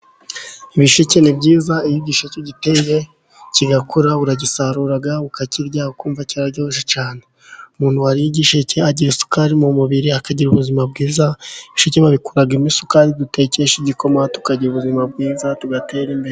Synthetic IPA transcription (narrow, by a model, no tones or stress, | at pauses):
iβiʃucenibɟiːzaijiɟiːʃeceɟiteje̞ | ciɡakuɾaβuɾaɟisaɾuɾaɡaukaciɾɟaːhokuːɱvaciɾaɾɟoʃ̬et͡ʃaːne | umuːn̥huwaɾijiɟiʃeceaɟiɾisu̥kaɾimumuβiɾiakaɟiɾuβuzimab̚ɡiːzaiβiʃucemaβikuɾaɡimisu̥kaɾidute̞ce̞ʃiɟiko̞matu̥kaɟiɾuβuzimabɡiːzatuɡate̞ɾimbeɾe